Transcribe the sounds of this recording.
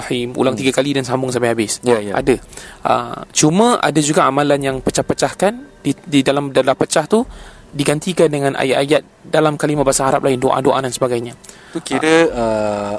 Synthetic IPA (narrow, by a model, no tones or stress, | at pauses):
himṵlaŋt̪iɡakalidansambʊŋs̬ampajhabɪsjajʔa̰daʔə̰t͡ʃumə̃ʔa̰dad͡ʒuɡaamãlanjaŋpət͡ʃahpət͡ʃahkandididalamdalapət͡ʃaht̪u | diɡant̪ikandəŋãnʔa̰jaajat̪̚dalamkalimaʔbasaɦaɾa̰p̚laɪndoʔa̰doʔa̰dansəbaɡajɲa | ukiɾəə